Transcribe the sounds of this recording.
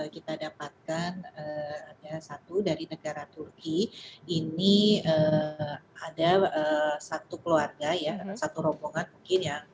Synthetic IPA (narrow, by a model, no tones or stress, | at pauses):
əkit̪adapat̪̚kanəadasat̪udaɾinəɡaɾat̪urkiiniə | adaəsat̪ukəluarɡajasat̪uɾɔboŋanmuŋkɪnja